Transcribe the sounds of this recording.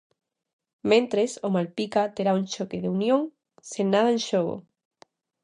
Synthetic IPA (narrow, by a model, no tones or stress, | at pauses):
mẽnt̪ɾesomalpikat̪eɾaunt͡ʃokeðeunjõŋ | senaðaenʃoɣo̰